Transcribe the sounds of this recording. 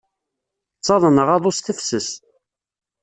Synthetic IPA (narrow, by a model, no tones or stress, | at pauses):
t͡sːɑðˤənəʁɑðˤʊst̪əfsəs